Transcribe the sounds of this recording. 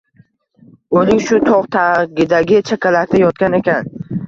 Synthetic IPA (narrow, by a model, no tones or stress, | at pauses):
olɪŋʃʊt̪ʰɒʁt̪ʰaɡʲɪd̪aɡʲɪt͡ʃʰakʲʰalak̚ʲt̪ʰajɒt̪̚kʲane̞kʲʰan